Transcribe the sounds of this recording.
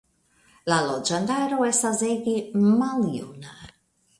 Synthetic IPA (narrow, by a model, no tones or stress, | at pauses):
lalɔd͡ʒand̪aɾoɛst̪azeɡimaljṵna